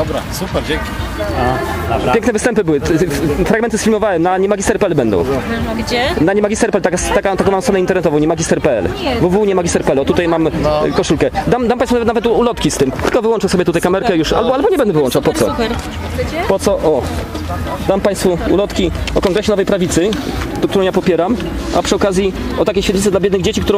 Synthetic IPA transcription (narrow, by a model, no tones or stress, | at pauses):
asup | pjɛŋknɛvɘst̪ɛmpɘbɘwɘfɾaɡmɛnt̪ɘsfʲilmɔvawɛmnaɲɛmaɡʲist̪ɛɾpɛɛlbɛnd̪ɔ̰̃w̃ɛnaɲɛmaɡʲist̪ɛɾpɛlt̪akast̪akat̪akɔ̃wmamsɾɔnɛint̪ɛɾnɛt̪ɔvɔ̃wɲɛmaɡʲist̪ɛɾpɛɛ̰lvuvuɲɛmaɡʲist̪ɛɾpɛɛlɔt̪ut̪ajmamkɔʂulkɛd̪amd̪ampajsunavɛt̪navɛt̪ulɔt̪kʲist̪ɘmt̪ɘlkɔvɘwɔnt͡ʂɛsɔbʲjɛt̪ut̪ajkamɛɾkɛjuʂa̰lbɔalbɔɲɛbɛnd̪ɛvɨwɔnt͡ʂawpɔt̪sɔ̰ | pɔt̪sɔʔɔ | d̪ampaj̃st̪fuṵlɔt̪kʲiɔkɔ̃ŋɡɾɛɕɛnɔvɛjpɾavʲit̪sɘd̪ɔkt̪uɾɔ̃wjapɔpʲjɛɾam | ʔa̰pʂɨɔkazʲjiɔt̪akʲeɕfʲad̪ɲit̪ɛd̪labʲjɛd̪nɘɣd͡ʑet͡ɕikt̪uɾɔ̃w